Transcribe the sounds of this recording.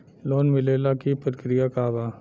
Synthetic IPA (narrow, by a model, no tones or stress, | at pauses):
loːnmɪleːlakipət̪kɾijakaːbaː